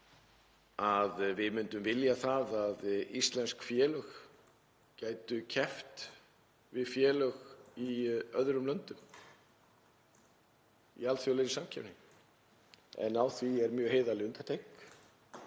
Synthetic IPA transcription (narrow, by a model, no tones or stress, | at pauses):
aðvɪðmʏnt̪ʏmvɪljaθaðaðist̪lɛnskfjɛːlœx | caːjt̪ʏcʰɛft̪ | vɪðfjɛːlœɣiœðɾʏmlœnt̪ʏm | ḭalθjɔlejɾɪsamcʰɛvnɪ | ɛ̰nawθviɛɾmjœːheːjðalɪʏnt̪ḁt̪ʰejk